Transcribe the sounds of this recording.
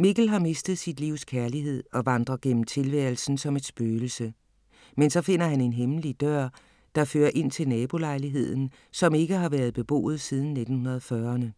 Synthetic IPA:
miɡ̥l̩ɦɑ̈me̝sd̥ð̩ˠsid̥liʊ̰skʰæɐliɦe̝ð̞̰ˠɒ̽ʋɑ̈nd̥ʁɐɡ̥en̰m̩t͡sʰe̝lʋæɐl̩sn̩sɒ̽me̝d̥sb̥øːl̩sə | mensɒ̽fe̝n̰ɐɦæne̝nɦemlid̥ɶɐ̰ | d̥ɑ̈føːɐʔe̝n̰t͡sʰe̝lnɛːb̥o̝lɑ̈ɪliɦe̝ð̰ˠn̩ | sɒ̽me̝ɡ̥əɦɑ̈ʋæɐð̞̩ˠb̥e̝b̥o̝̰ːð̞̩ˠsiːð̞ˠn̩ːe̝d̥n̩hunɐð̞̩ˠfɶːɐnə

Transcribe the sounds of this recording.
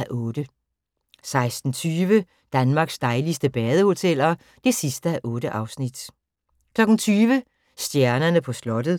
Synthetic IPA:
æʔɔ̽ːd̥ə | sɑ̈ɪsd̥n̩t͡sʰyːʋə | d̥ænmɑ̈ːɡ̥sd̥ɑ̈ɪlisd̥əb̥ɛːð̞ˠəho̝t͡sʰel̰ɒ | d̥e̝sisd̥əæʔɔ̽ːɾəʔɑ̈ʊsnid̥ | kʰlɒ̽ɡ̥n̩t͡sʰyːʋə | sd̥jæɐnɐnəpʰɒ̽slɒ̽d̥ð̩ˠ

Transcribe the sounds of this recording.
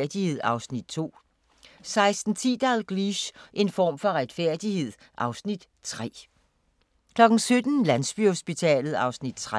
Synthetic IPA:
ɐd̥ihe̝ð̞̰ˠɑ̈ʊsnid̥̚t͡sʰo̝̰ː | sɑ̈ɪsd̥n̩t͡sʰḭːd̥ɑlɡ̥liɕʔe̝nfɒ̰ːmfɒ̽ʁad̥fæɐ̰d̥ihe̝ð̞̰ˠ | ʔɑ̈ʊsnid̥ | t͡sʰʁɛ̰ː | kʰlɒ̽ɡ̥n̩sød̥n̩lænsb̥yho̝sb̥it͡sʰɛ̰ːlð̩ˠɑ̈ʊsnid̥t͡sʰʁ

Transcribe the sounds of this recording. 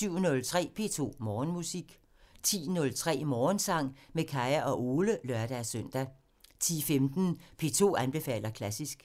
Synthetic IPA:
syʊ̰nɔ̽lt͡sʰʁɛ̰ːpʰe̝̰ːt͡sʰo̝̰ːmɒːnmusiɡ̥ | t͡sʰḭːnɔ̽lt͡sʰʁɛ̰ːmɒːnsɑ̈ŋ̰mekʰɑ̈ɪæʔɒ̽ʔo̝ːləlɶɐd̥æsœn̰d̥æ | t͡sʰḭːfemd̥n̩pʰe̝ːt͡sʰo̝̰ːænb̥e̝fɛ̰ːl̰ɐkʰlæsisɡ̥

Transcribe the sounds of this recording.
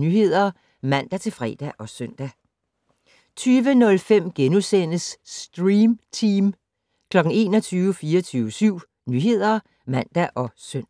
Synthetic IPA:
nyːɦe̝ð̰ˠɐ | mæn̰d̥æt͡sʰe̝lfʁɛ̰ːd̥æʔɒ̽sœn̰d̥æ | t͡sʰyːʋənɔ̽lfem̰ɡ̥enusen̰əsːd̥ʁiːmt͡sʰiːm | kʰlɒ̽ɡ̥ŋ̩e̝̰ːnɒ̽t͡sʰyːʊʋəfiːɐɒt͡sʰyːʊəsyʊ̰ | nyːɦe̝ð̞̰ˠɐ | mæn̰d̥æʔɒ̽søn

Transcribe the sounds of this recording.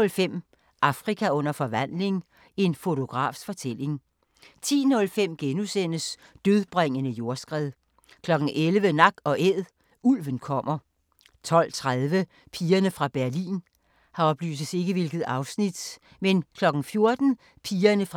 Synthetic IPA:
lfem̰ | ʔɑ̈fʁikʰæɔ̽n̰ɐfɒ̽ʋæn̰le̝ŋ | e̝nfo̝t͡sʰo̝ɡ̥ʁɑ̰̈ːfsfɒ̽t͡sʰel̰e̝ŋ | t͡sʰḭːnɔ̽lfem̰ɡ̥enusen̰əs | d̥øð̞ˠb̥ʁaŋ̰ənəjo̝ɐsɡ̥ʁɛðˠ | kʰlɒ̽ɡ̥n̩ʔelʋənɑ̈ɡ̥ɒ̽ʔeð̰ˠ | ulʋənkʰɒ̽m̰ɐ | t͡sʰɒ̽l̰t͡sʰʁaðˠʋə | pʰiːɐnəfʁɑ̈b̥æɐlḭːn | hɑ̈ɒ̽b̥ly̰ːsəð̩se̝ɡ̥əʋe̝lɡ̥ð̞̩ˠɑ̈ʊsnid̥ | menkʰlɒ̽ɡ̥n̩fjo̝ɐd̥n̩ | pʰiːɐnəfʁ

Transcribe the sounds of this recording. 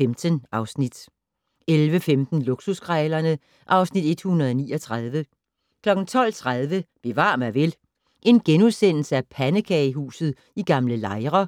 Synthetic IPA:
emd̥ənʔɑ̈ʊsnid̥ | elʋəfemd̥n̩luɡ̥susɡ̥ʁɛːlɐnə | ʔɑ̈ʊsnid̥e̝d̥hunɐð̞̩ˠɒniːɒt͡sʰʁɑð̞ˠʋə | kʰlɒ̽ɡ̥n̩t͡sʰɒ̽l̰t͡sʰʁað̞ˠʋəb̥e̝ʋɑ̰̈ːmæɐʋe̝l | ʔe̝nɡ̥enuðˠsen̰l̩səæpʰænəkʰɛɪɦṵːsð̩ˠ | iɡ̥ɑ̈mləlɑ̈ɪʁɐ

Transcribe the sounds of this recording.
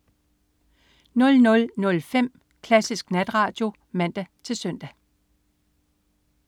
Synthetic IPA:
nɔ̽lnɔ̽lnɔ̽lfem̰ | kʰlæsisɡ̥næd̥ʁɑ̈ːd̥jo̝ | mæn̰d̥æt͡sʰe̝lsœn̰d̥æ

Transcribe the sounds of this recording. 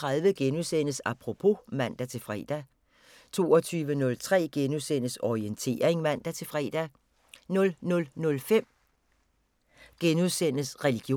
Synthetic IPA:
ʁɑðˠʋəɡ̥enusen̰əsɑ̈pʰʁo̝pʰo̝mæn̰d̥æt͡sʰe̝lfʁɛ̰ːd̥æ | t͡sʰo̝̰ːɒt͡sʰyːʋənɔ̽lt͡sʰʁɛ̰ːɡ̥enuðˠsen̰əsɒient͡sʰe̝̰ːɐeŋmæn̰d̥æt͡sʰe̝lfʁɛ̰ːd̥æ | nɔ̽lnɔ̽lnɔ̽lfem̰ | ɡ̥enuðˠsen̰əsʁɛliɡ̥jo

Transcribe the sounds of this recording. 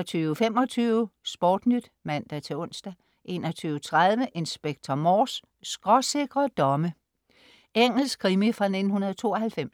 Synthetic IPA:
t͡sʰyːʊəfem̰ɒ̽t͡sʰyːʊəsb̥ɒːd̥nyd̥mæn̰d̥æt͡sʰe̝ɔ̽n̰sd̥æ | ʔe̝̰ːnɒt͡sʰyːʊət͡sʰʁaðˠʋəʔe̝nsb̥eɡ̥̚t͡sʰɒmɒːs | sɡ̥ʁɒ̽se̝ɡ̥ʁɐd̥ɒ̽mə | eŋ̰l̩skʰʁimifʁɑ̈ne̝d̥n̩hunɐðˠt͡sʰo̝̰ːɒhælfem̰

